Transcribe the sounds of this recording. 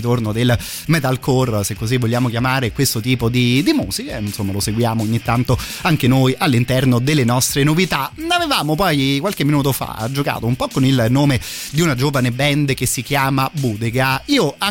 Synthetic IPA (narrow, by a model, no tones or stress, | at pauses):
t̪ornod̪el | mɛt̪alkorsekːozivːoʎːaːmokjamaːɾekwest̪ot̪iːpod̪id̪imuːzikainsomːaloseɡwjaːmoːɲːit̪ːant̪oaŋk̟enojʔalːint̪ɛrnod̪elːenɔst̪ɾenovit̪anavevaːmopɔjkwalkemːinuːt̪ofa̰d͡ʒoka̰ːt̪oumpɔkːonilnoːmed̪iunad͡ʒoːvanebɛnd̪ek̟esːikjaːmabuːd̪eɡaiːoa